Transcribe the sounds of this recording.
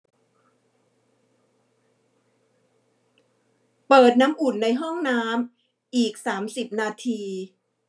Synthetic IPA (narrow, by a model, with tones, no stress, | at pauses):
pɤː˨˩t̪̚naː˦˥mʔu˨˩nːa˧jɦɔ˥˩ŋnaː˦˥m | ʔiː˨˩k̚saː˩˦msi˨˩p̚naː˧t̪ʰiː˧